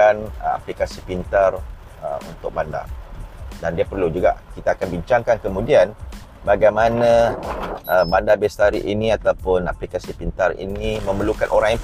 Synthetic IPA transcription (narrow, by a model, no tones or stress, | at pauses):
ana̰plikasipint̪ar | əṵnt̪ʊk̚banda̰rdandiapərlud͡ʒuɡa̰ʔkit̪aːkanbiɲt͡ʃaŋkankəmũdian | baɡajmãnã | ʔəbandarbɛst̪aɾḭʔinĩat̪awpʊna̰plikasipint̪arḭnimə̃məlukanʔoɾaŋja